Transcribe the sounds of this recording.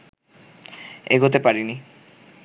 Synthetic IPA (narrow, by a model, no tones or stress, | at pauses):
ḛɡʱot̪epaɾini